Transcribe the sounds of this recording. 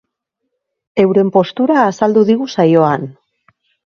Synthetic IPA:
e̞wɾe̞mpo̞st̪uɾaːsald̪uðiɣ̞usajo̞an

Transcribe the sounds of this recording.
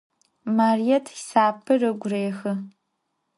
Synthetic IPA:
maːrijɛtʰjsaːpʰɨrɨɡʷʊreːxɨ

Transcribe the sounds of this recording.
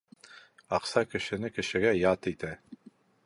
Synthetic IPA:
ɑqsɑkɘ̆ʃɘ̆nɘkɘ̆ʃɘ̆ɡæjɑt̪it̪æ

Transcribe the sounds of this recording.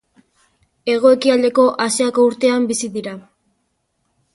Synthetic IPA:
e̞ɣ̞o̞e̞kiald̪e̞ko̞ʔasiakouɾt̪e̞ambisiðiɾa

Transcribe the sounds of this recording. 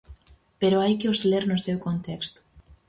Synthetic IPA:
peɾoajkeosleɾnʊsewkont̪ɛkst̪ʊ̥

